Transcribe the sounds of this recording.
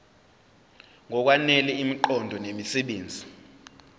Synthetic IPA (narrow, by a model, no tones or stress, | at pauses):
ŋɔk̬wanɛlɛimiǃɔndʱɔnemisɛɓeːnd͡zʱi